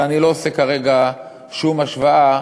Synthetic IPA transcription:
anilo̞ːse̞kaʁe̞ɡa | ʃumaʃvaa

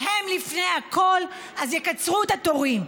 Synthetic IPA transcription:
hemlifnejakʰol | azjekat͡sʁuet̪at̪o̞ʁim

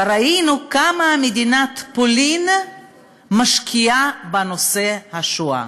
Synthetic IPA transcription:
ɾainukamamed̪inat̪polin | maʃkʰiabano̞se̞haʃua̰

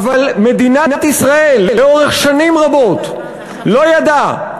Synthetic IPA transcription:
valme̞d̪inanat̪isʁaelːeo̞ʁeχʃanimʁabo̞t̪ | lo̞jad̪a

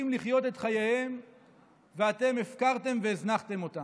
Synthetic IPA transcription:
imliχjo̞t̪e̞tχajehem | veat̪e̞mefkaʁt̪e̞mveːznaχt̪e̞mo̞t̪a

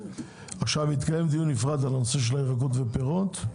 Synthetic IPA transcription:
aχʃavit̪kaje̞md̪ijunifʁad̪alanose̞ʃ̬elaeʁaɡot̪vepeʁot̪

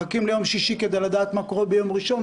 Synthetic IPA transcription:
akimlejo̞mʃiʃiked̪ejlad̪aːt̪makoʁobejo̞mʁiʃo̞n

